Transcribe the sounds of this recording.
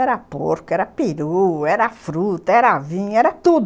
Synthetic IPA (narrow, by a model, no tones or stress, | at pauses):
ɛɾɐpo̰ɾkɛɾɐpiɾuɛɾɐfɾut̪ɐɛɾavĩɲɛɾɐt̪ud̪